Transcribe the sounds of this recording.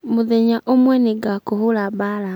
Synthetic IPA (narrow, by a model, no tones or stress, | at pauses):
mʊðɛɲaʔomwɛneɡakoɦulabala